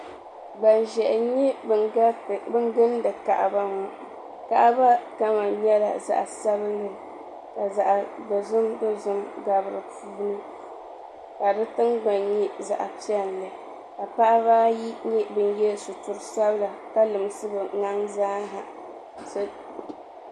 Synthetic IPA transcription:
ɡ͡ba˨nʒɛ˨ʔɲɛ˦bbɨ˦n˦ɡɨ˦n˦dɨ˨ka̰˨ʔba˦ŋɔ˨ | ka˦ʔba˦ka˦ma˨ɲɛ˦la̰˨za̰˨ʔa˨sa˦bɨ˦lːɨ˦ | ka˨za˨ʔdɨ˨zʊ˦mdɨ˦zʊ˦mɡa˨bɨ˨ɾɨ˨puː˦nɨ˦ | ka˨dɨ˦tɨ˦ŋɡ͡ba˨ɲɲɛ˦za̰˨ʔa˨pi˦ɛ˦˨n˨lɨ˨ | ka˨pa˦ʔa˦baː˦ji˦ɲɛ˦bɨ˦n˦jɛ˦su˨tu˨ɾɨ˨sa˦bɨ˦la˨ka˦lɨ˨m˦sɨ˦bɨ˨ŋa˦ŋzaː˦ɦa̰˨ | s

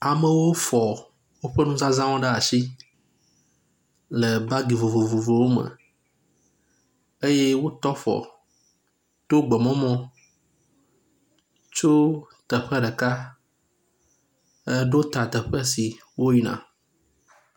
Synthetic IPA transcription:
a˨mə̃˨wo˦fɔ˨ | wo˦ɸə˦nũ˦zã˦zã˦wɔ̃˦ɖə˦a˨si˦ | lə˨ba˦ɡi˨vo˨vo˨vo˨vo˨wo˦mə̰̃˨ | e˦je˦wo˦t̪ɔ˦fɔ̰˨ | t̪o˦ɡ͡bɛ˨mɔ̃˦mɔ̃˦ | t͡ʃo˦ | t̪ə˨ɸɛ˦ɖə˨ka˦ | ə˦ɖo˦t̪a˨t̪ə˨ɸə˦si˨ | wo˦ji˦nã̰˨

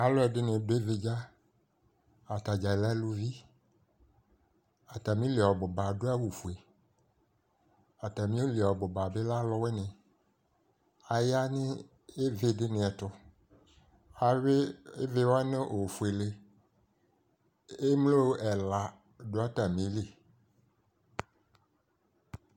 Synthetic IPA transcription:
a˨lo˦ɛ˨dɪ˦nẽ˨do˦e˦ve˦d͡ʒa˦ | a˨t̪a˨d͡ʒa˨e˨la˦lu˦vi˦ | a˨t̪a˨mĩ˦le˨ɔ˨bo˨ba˨ɖo˦a˦wo˨fu˨e˨ | a˨t̪a˨mĩ˦o˦li˨ɔ˨bo˨ba˨be˦la˦lɔ˦we˦nẽ˨ | a˨ja˦nẽ˦ | e˦ve˦de˦nẽ˨a˨t̪ɔ˦ | a˨we˦e˦ve˦wo˦a˦nẽ˦ʔo˨fu˨e˨le˦ | e˦mlo˦wʔɛ˨la˨ | ɖo˦a˦t̪a˨mĩ˨˦li˦

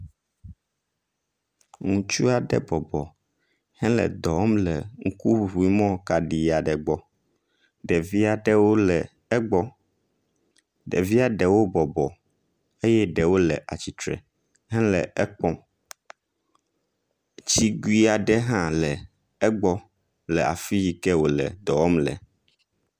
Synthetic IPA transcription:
ŋũ˨t͡ʃu˦a˨ɖɛ̰˦bɔ˨bɔ˨ | hɛ̃˦lɛ̰˨d̪ɔ˨˦mlɛ̰˨ŋ̩˦ku˦˨ɦu˨i˦mɔ̃˦ka˨ɖi˨a˨ɖɛ˨ɡ͡bɔ˨ | ɖɛ˨vi˦a˨ɖɛ˦wo˦lɛ˨ | ɛ˦ɡ͡bɔ˦ | ɖɛ̰˨vi˦a˦ɖɛ˨wo˦bɔ˨bɔ˨ | e˦jɛ˦ɖɛ˨wo˦lɛ̰˨ʔa̰˨t͡ɕi˨t̪ɾɛ̰˨ | ɦɛ̃˦lɛ̰˨ɛ˦k͡pɔ̃˦ | t͡ɕi˦ɡu˦i˦a˨ɖɛ˦ɦã˦lɛ˨ | ɛ˦ɡ͡bɔ˦ | lɛ˨a̰˨fi˦ji˦˨kɛ˦wo˨lɛ̰˨d̪ɔ˨ɔ˦mlɛ̰˨

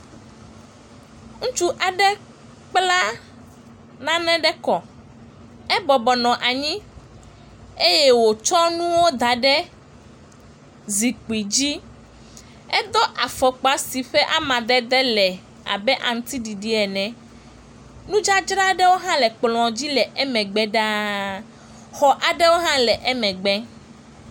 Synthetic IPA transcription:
ŋ̩̃˦t͡ʃu˦ʔa˨ɖɛ˦ | k͡pla˦ | nã˦nɛ̃˦ɖɛ˦kɔ˨ | ɛ˦bɔ˨bɔ˨nɔ̃˨ʔa˨ɲĩ˦ | e˦jɛ˦wo˨t͡ʃɔ˦nũ˦wo˦d̪a˨ɖɛ˦ | zi˨k͡pi˨d͡ʑi˦ | ɛ˦d̪ɔ˦ʔa˨fɔ˨k͡pa˨si˨ɸɛ˦ʔa˦mã˨d̪ɛ˦d̪ɛ˦lɛ˨ | a̰˨bɛ˦ʔa̰˨ŋ̩˦t̪i˦ɖi˨ɖi˦ɛ˨nɛ̃˨ | nũ˦d͡ʒa˦d͡ʒɾa˦ɖɛ˦wo˦ɦã˦lɛ˨k͡plɔ̃˨d͡ʑi˦lɛ˨ʔɛ˦mɛ̃˨ɡ͡bɛ˦ɖa˦ | xɔ˨ʔa˨ɖɛ˦wo˦ɦã˦lɛ˨ʔɛ˦mɛ̃˨ɡ͡bɛ˦

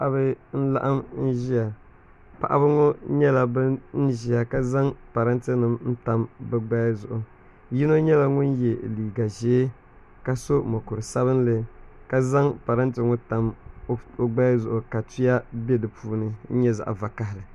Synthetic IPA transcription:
pa˦ʔa˦bɨ˦n̩˦la̰˦ʔa˦mn̩˦ʒi˦a˨ | pa̰˨ʔa̰˦bɨ˦ŋo˦ɲɛ˦la˨bɨ˦n̩˦ʒi˦ja˨ka˦za˦ŋpa˨ɾa˦ntɨ˦nɨ˨mn̩˦ta˦mbɛ˦ɡ͡ba˦jzʊ˨ʔʊ˨ | ji˦no˦ɲɛ˦la˦ŋʊ˦njɛ˨liː˨ɡa˨ʒeː˦ | ka˦so˦mo˨kʊ˨ɾɨ˨sa˦βɨ˦n˦lɨ˦ka˦za˦ŋpa˨ɾa˦ntɨ˦ŋʊ˦ta˨m˦ | o˦ɡ͡ba˦zʊ˨ʔʊ˨ka˨ti˦ja˦bɛ˦dɨ˨pʰuː˦nɨ˨n̩˦ɲɛ˦za̰˨ʔva˨ka˨hɪ˨lɨ˨

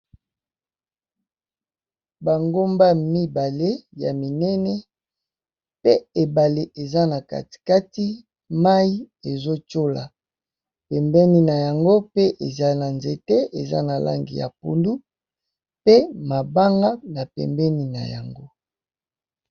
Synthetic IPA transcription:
ba˨ŋɡo˦mba˦mi˦ba˨le˦ja̰˨mi˨nɛ˦nɛ˦ | pe˦e˨ba˨le˨ʔe˨za˦na˨ka̰˨ti̥˨ka˦ti˦ | ma˦i˦e˨zo˦t͡ʃo˦la˨ | pɛ˨mbɛ˦ni˨na˨ja˨ŋɡo˦pe˦ʔe˨za˦na˨nze˨tɛ˦e˨za̰˦na˨la̰˦ŋɡḭ˨ja̰˨pṵ˨ndu˦ | pe˦ma˨ba˦ŋɡa˦na˨pɛ̰˨mbɛ˦ni˨na̰˨ja̰˨ŋɡo˦

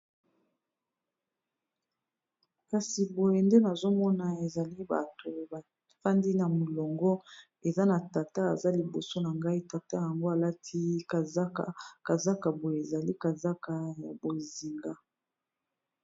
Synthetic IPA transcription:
ka˨si˨bo˨je˨nde˦na˨zo˦mɔ˦na˨e˨za˨li˦ba̰˨to˨ba˨ | fa˦ndi˦na˨mo˨lɔ˨ŋɡɔ˦ | e˨za˦na˨ta˨ta˦a̰˨za˦li˨bo˨so˦na˨ŋɡa˦i˦ta˨ta˦ja˨ŋɡo˦a˨la˦tʰi˦ka˨za˦ka˨ka˨za˦ka˨bo˨je˨e˨za˨li˦ka˨za˦ka˨ja˨bo˨zi˨ŋɡa˦

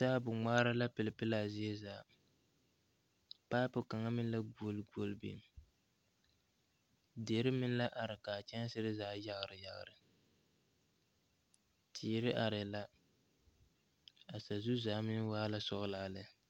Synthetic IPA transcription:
saː˦bʊ˨ŋ͡maː˦ɾa˦la˦pɨ˨lɨ˨pɨ˦laː˨zɪ˦e˦zaː˨˦˨ | paː˦pʊ˨ka˨ŋa˦mɪ˦n˦la˦ɡo˦lɡo˦lbḭ˨m˨ | de˨˦ɾɨ˦mɪ˦n˦la˦ʔa˨ɾɨ˨ka˨t͡ʃɛ˦n˦sɨ˦ɾɨ˦zaː˦ja˦ɣɨ˨ɾɨ˨ja˨ɣ̰ɾɨ˨ | tʰiː˨ɾɪ˦ʔa˨ɾɪ˨la˦ | a˨sa˨zu˦zaː˨˦mɪ˦waː˦la˦sɔ˦ʔɨ˦laː˨lɨ˦

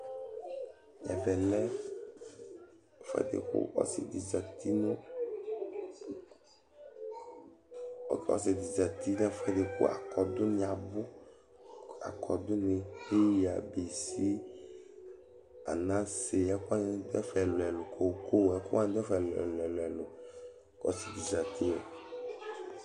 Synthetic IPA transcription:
ɛ˨vɛ˨lɛ˦˨ | fɛ̰˦d̪ḛ˨kṵ˦ɔ̰˦sɪ̰˨d̪i˨za˨t̪ʰi˦nũ˦˨ | ɔ̰˦sɪ˨d̪i˨za˨t̪i˦nɛ˦˨fɛ˦d̪e˨kṵ˦ʔa̰˨kɔ˨d̪ʊ˦n˨a˨bʊ˦ | a̰˨kʰɔ˨d̪ʊ˦nɪ˨he˦ja̰˨be˨si˦ | a̰˨nã˦se˨ɛ˦kʊ˦a˦n˦d̪ɛ˦fɛ˨lʊ˨ɛ˨lʊ˨kʰo˨ko˦˨ɛ˦ku˦a˦n˦d̪ɛ˦fɛ˨lɛ˨lɛ˨lɛ˨lʊ˨ | kɔ̰˨˦si˨d̪i˨za˨t̪i˦o˨

